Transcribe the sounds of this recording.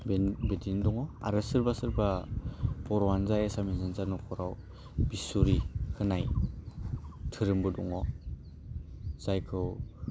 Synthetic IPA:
bbedindɔŋɔa̰ɾɯsɯɾbasɯɾba | b̥ɔɾɔwanzajasaminzanzanɔkʰɔɾaw | bisuɾikʰɯnaj | tʰɯɾɯmbɯdɔ̰ŋɔ | z̥ajkʰɯw

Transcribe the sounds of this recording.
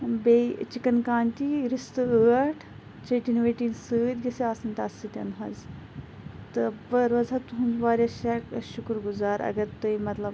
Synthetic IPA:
beit͡ʃikɐnkaːnʲt̪ʲiɾist̪ɨəːʈʰ | t͡ʃeːʈinʋeːʈiːnsɨːd̪ʲɡɐseaːsɐnt̪ɐsɨt̪ʲɐnɦɐz | t̪ɨbəɾʋɐzat̪uɦund̪ʋaːɾʲɐʃɛkʃukɾɡuzaːɾɐ̰ɡɐɾt̪ɐjmɐt̪lɐb

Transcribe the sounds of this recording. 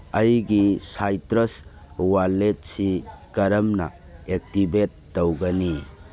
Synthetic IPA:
ɐjɡisajtɾɐs | walːet̚sikɐɾɐmnɐ̰ | ek̚tibet̚ːɐwɡɐni

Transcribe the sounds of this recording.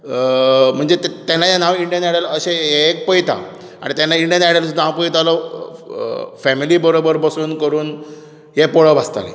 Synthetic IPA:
m̤əɳd͡zet̪t̪anːajanaʋiɳɖijənaɽaləɕeek̚pəjt̪ʰa̰ | a̰ɽ̃it̪anːaiɳɖijənaɽəlsud̪ʱapəjt̪alɔ | fɛmilibəɾobəɾbəsuːnkəɾuːn | ɦepoɭəbast̪a̰lḛ

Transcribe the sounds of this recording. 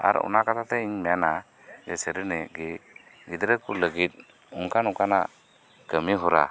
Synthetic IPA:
a̰ɾṵnakat̪ʰat̪ɛiɲmɛjana | d͡ʒɛsɛɾənɛɡi | ɡid̪ɾəkuləɡit̪̚ | uŋkʰanukana̰ | kəmiɦɔɾa̰

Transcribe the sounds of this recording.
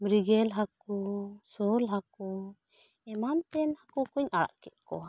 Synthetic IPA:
mɾiɡɛlɦakusulɦaku | ɛmant̪ɛnhakukuɲʔaɾa̰ʔkɛʔ̪̚kɔ̰

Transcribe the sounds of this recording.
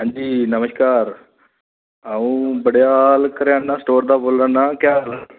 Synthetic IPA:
ɦãːɲd͡ʑiːnɐməskaːɾ | aʋũbəɽjalkəɾjãːnːasʈoːɾd̪aboːlɾanːakjaːla

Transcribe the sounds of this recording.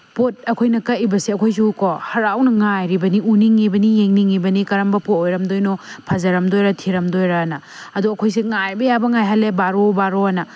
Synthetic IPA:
pot̚ɐkʰojnɐkɐibɐsiɐkʰojs̬ukʰohɐɾawnɐŋajɾibɐniuniŋibɐnijeŋniŋibɐnikɐɾɐmbɐpotojɾɐmdojnopʰɐzɐɾɐmdojɾɐtʰiɾɐmdojɾɐnɐ | ɐduɐkʰojs̬iŋajbɐjabɐŋajɦɐlːebaɾobaɾoɐnɐ

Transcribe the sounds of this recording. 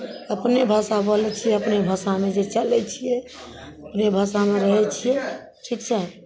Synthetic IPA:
əpnebʱasabɔlɛt͡ʃʰijɛəpnebʱəsamed͡ʒet͡ʃəlɛt͡ʃʰijɛ | əpnebʱasameɾəɦɛt͡ʃʰijɛ | ʈʰikt͡ʃʰa

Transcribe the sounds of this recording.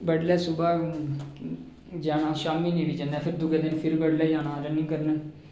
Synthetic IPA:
bəɽlɛːsʊbaː | d͡ʒaːnãːʃaːmiːnĩːʋiːt͡ʃənɛːpʰɪɾd̪ʊɡeːd̪ɪnpʰɪɾbəɽlɛːd͡ʒaːnãːɾənɪ̃ŋkəɾnɛː

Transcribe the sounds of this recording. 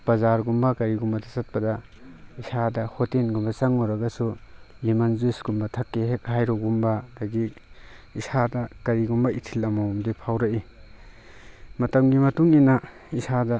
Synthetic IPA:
pɐzaɾɡumbɐkɐɾiɡumbɐtʰasɐt̚pɐdɐ | isadɐhotenɡumbɐsɐŋːoɾɐɡɐsulimɐnzusɡumbɐtʰɐkːeɦek̚hajɾoɡumbɐdɐɡi | isadɐkɐɾiɡumbɐitʰilɐmawmdipʰawɾɐʔi | mɐtɐmɡimɐtuŋinɐ | isadɐ

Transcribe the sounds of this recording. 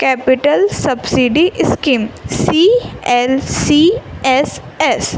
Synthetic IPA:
kɛːpɪʈəlsɐbsiɖiʔɪskiːmssiːɛlsiɛs | ɛs

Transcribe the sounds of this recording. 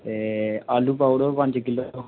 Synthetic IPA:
t̪eaːlupauɽopɐ̃ɲd͡ʒkɪlːoo

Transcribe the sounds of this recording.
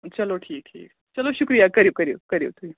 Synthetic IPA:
t͡ɕɐloʈʰiːk̚ʈʰḭːk | t͡ɕɐloɕukɾijakəɾiʋkəɾḭwkəɾeʋt̪ui

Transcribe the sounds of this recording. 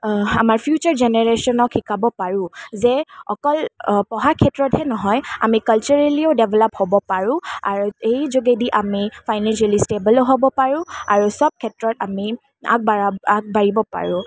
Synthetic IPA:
amaɹpʰjut͡ʃaɹzɛnɛɹesɔnɔkʰːikabɔpaɹʊ̃zɛɔ̰kɔlpɔɦakʰɛtɹɔthɛnɔɦɔja̰mikalt͡ʃuɹaliɔdɛbʱɛlɔphobɔpaɹʊ̃a̰ɹuejzoɡediʔamifʰajnɛnʃalistebəloɦobɔpaɹʊ̃aɹusɔb̚kʰɛtɹɔtami | a̰k̚baaak̚baɹibɔpa̰ɹʊ̃

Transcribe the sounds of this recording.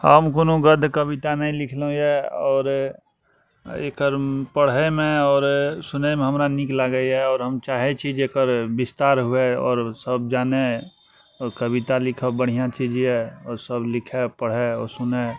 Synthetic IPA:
həmkonõɡəd̪ʱkəbit̪anəĩlɪkʰlũjɛɔːɾ | ḛːkəɾpəɽ̤emẽɔːɾsʊnemẽɦəmɾaniklaɡəɛɔːɾɦəmt͡ʃaːɦet͡ʃʰid͡ʒekəɾbɪst̪aːɾɦueɔ̰ːɾsəb̚d͡ʒaːne | kəbit̪alɪkʰəbəɽ̤ijãt͡ʃid͡ʒɛɔːɾsəblɪkʰepəɽ̤eɔːɾsʊne

